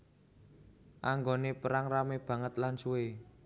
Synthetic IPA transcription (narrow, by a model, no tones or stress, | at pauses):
ʔaŋɡonepəɾaŋrameb̥ä̤ŋət̪lansuwe